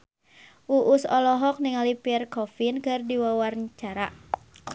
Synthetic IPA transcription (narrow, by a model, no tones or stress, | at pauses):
ʔuʔusɔlɔɦɔk̚niŋalipirkɔfinkɨrdiwawarnt͡ʃaɾa